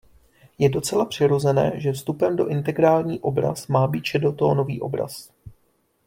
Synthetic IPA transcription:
jɛdo̞t͡sɛlapr̥ɪɾo̞zɛnɛ̰ːʒɛfst̪upɛmdo̞ʔɪnt̪ɛɡɾaːlɲiːʔo̞bɾa̰smaːbiːt̪ʃɛdot̪o̞ːno̞viːʔo̞̰bɾa̰s

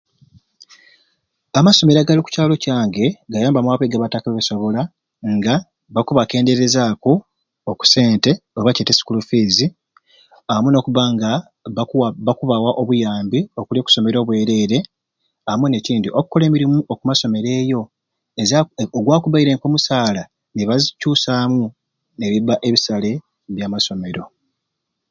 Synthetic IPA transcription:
amaso̞me̞ɾaɡaliku̥caːlo̞caːŋɡe̞ɡajaːmbamwaβweːɡaβatakaβeβeso̞βo̞la | ŋɡa | βakuβake̞ːnde̞ɾe̞zaːko | oku̥se̞ːnte̞oβaceːtesi̥kulufiːzi | amuno̞ːkuβaŋɡa | βakuβawaʔo̞βujaːmbio̞kuljo̞ːku̥so̞me̞ɾo̞ːβwe̞ːɾe̞ɾe̞ | aamune̞ciːndiʔoku̥kːo̞le̞ːmiɾimuʔokumaso̞me̞ɾe̞ːjo̞ | ezaoɡwaːkuβaiɾe̞ːŋko̞ːmusaːla | neβazcuːsaːmu | ne̞βiβaʔe̞βisale̞ | βjaːmaso̞me̞ɾo̞

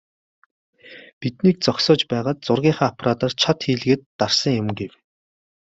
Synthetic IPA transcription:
pit̪niːk̚t͡sɔksʊːt͡ɕpæːʁaːt̪̚t͡sʊrɣʲiːɴχaːɔpʰaɾaːt̪art͡ɕʰat̪xiːɮɣĕːt̪ːarsə̆ŋjʊmɡew

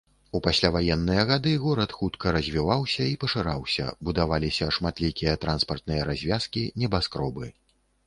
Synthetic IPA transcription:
upasʲlʲavajɛnːɨjɐɣad̪ɨɣɔɾɐt̪xut̪kɐɾɐzʲvʲivawsʲɐipɐʂɨɾawsʲɐ̰bud̪avalʲisʲɐʂmat̪lʲikʲijɐt̪ɾanspɐrt̪̚nɨjɐɾazʲvʲaskʲinʲɛbaskɾɔbɨ

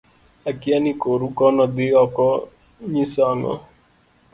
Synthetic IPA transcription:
ɐkianikoɾukɔnɔd̪iɔkɔ | ɲĩsaŋɔ̰

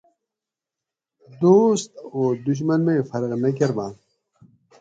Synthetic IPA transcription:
d̪oːst̪oːd̪uɕ̬mɐnmefɐɾɣnɐk̬eɾmãː

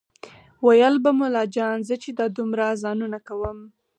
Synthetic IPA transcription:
wajəlbamulɑd͡ʒɑnzət͡ʃed̪ɑd̪umɾazɑnunakawəm

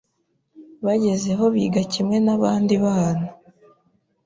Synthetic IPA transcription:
βaɟe̞ze̞ɦo̞βiːɡacimŋe̞naβaːndiβaːna

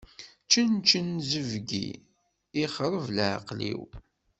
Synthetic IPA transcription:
t͡ʃːənt͡ʃənzəvɡḭ | iχɾˤəvlʕ̰qlḭw

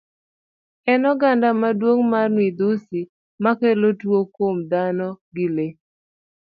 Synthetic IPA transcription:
ɛnɔɡandamadwoŋmarnwid̪usi | makɛlotwokomd̪anɔɡɪle

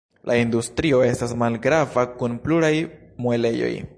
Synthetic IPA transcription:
lʔaindustɾio̞e̞stasmalɡɾavakunpluɾajmue̞le̞jo̞̰j

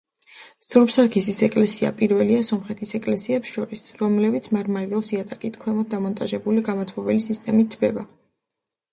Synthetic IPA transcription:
ssuɾpsaɾkʰisisɛkʼlɛsia̰pʼiɾvɛliasɔmχɛt̪ʰisɛkʼlɛsiɛpsʃɔɾisɾɔmlɛbit̪sʰmaɾmaɾiɛlˠsiat̪ʼakʼit̪ʰkʰwɛmɔt̪̚ʰd̪amɔnt̪ʼaʒɛbuliɡamɔt̪ʰmɔvɛlisist̪ʼɛmit̪ʰːbɛba

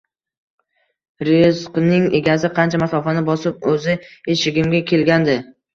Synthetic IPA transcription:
ɾesqnɪŋeɡʲazɪqʰɑnt͡ʃʰamasɒfanɪbɒsɪp̚ɵzɪeʃɪɡʲɪmɡʲakʲʰe̞lɡʲand̪ɪ

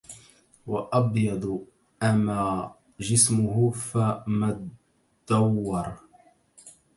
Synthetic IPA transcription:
wɑʔɑbjɑd̪ˤ | ʔamaː | d͡ʒɪsmʊhʊfama | d̪̥ːɑwːɑɾˤ

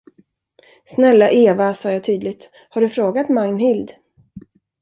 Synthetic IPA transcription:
snɛlːaʔeːvasɑːjɑːt̪ʰyːd̪lɪɡ̚t̪ | haɖɵfɾoːɡat̪maŋnhɪld̪

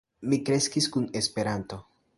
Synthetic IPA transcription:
mikɾe̞skiskune̞spe̞ɾanto̞

